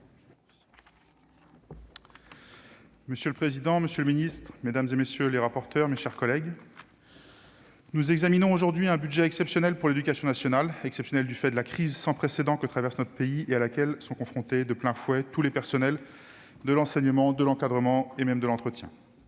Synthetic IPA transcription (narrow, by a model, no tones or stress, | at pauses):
məsjøləpχezid̪ɑ̃məsjøləminist̪χmed̪amzemesjøleʁapɔʁt̪œʁmeʃɛʁkɔlɛɡ | nuzɛɡzaminɔ̃oʒuʁd̪ɥiɛ̃byd̪ʒɛːksɛpsjɔnɛlpuʁled̪ykasjɔ̃nasjɔnalɛksɛpsjɔnɛld̪yfɛd̪əlakχizsɑ̃pχesed̪ɑ̃kət̪χavɛʁsnɔt̪χə̥peiealakʲɛlsɔ̃kɔ̃fχɔ̃t̪ed̪əplɛ̃fwɛt̪ulepɛʁsɔnɛl | d̪əlɑ̃sɛɲəmɑ̃d̪əlɑ̃kad̪ʁəmɑ̃emɛmd̪əlɑ̃t̪χət̪jɛ̃